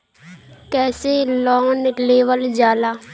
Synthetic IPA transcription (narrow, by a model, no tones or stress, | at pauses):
kɛːselɔːnleːʋəld͡ʒaːlaː